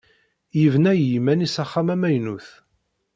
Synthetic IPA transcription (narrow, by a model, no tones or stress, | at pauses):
jəvnæjimænisæχːamæmæjnuθ